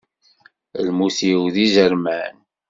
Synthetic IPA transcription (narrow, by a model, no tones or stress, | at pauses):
lmuθiwðizəɾmæn